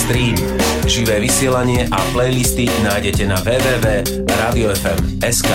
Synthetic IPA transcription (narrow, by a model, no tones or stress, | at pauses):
st̪ɾiːm | ʒiʋɛːʋisɪɛlaɲɪɛʔaplɛjlist̪inaːjɟɛcɛnaʋɛːʋɛːʋɛː | ɾaːd̪iɔɛfɛm | ɛskaː